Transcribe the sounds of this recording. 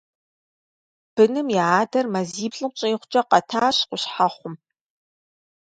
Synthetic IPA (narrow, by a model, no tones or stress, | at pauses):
b̥ɨnɨmjɛaːdɐrmɐziːbɬʼɨqʷt͡ʃʼeːχʷt͡ʃʼɐqɐtʰaːɕqʷʊɕħaχʷʊm